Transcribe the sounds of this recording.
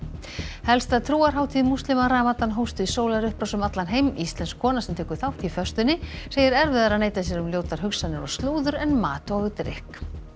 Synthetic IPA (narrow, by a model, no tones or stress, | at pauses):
hɛlst̪aðt̪ʰɾuːaɾ̥ɦaːwt̪ʰiːðmust̪lɪmaɾaːmat̪anɦowst̪ʏisoːwlaɾʏhpɾawsʏmat̪lanɦejmist̪lɛnskʰːɔːnasɛmt̪ʰɛːkʏ̥ɾ̥θawht̪ifœst̪ʏnːɪseːjɪɾɛɾvɪðaɾaðneːjt̪asjɛɾʏmljoːwt̪aɾ̥ɦʏksanːɪɾɔst̪luːðʏɾɛnma̰ːt̪ɔɣʏt̪ɾɪ̰hk